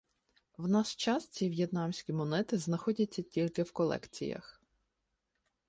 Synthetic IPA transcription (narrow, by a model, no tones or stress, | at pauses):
wnɑst͡ʃɑst͡sʲiʋʲjet̪nɑmsʲkʲimɔnɛt̪ɪznɐxɔdʲɐt͡sʲːɐtʲilʲkɪwkɔlˠɛ̰kt͡sʲḭjɐ̰x